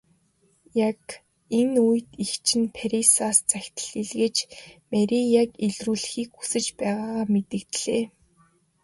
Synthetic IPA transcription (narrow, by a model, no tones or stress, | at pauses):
jak | enujt̪ixt͡ɕʰɪ̆npʰaɾisaːst͡sæxʲt̪ə̥̆ɮiɮɣĕt͡ɕmæɾʲijakeɮruːɮxiːkxu̥sɘ̆t͡ɕpæːʁaːʁaːmet̪ɘ̆kt̪ɮ̥eː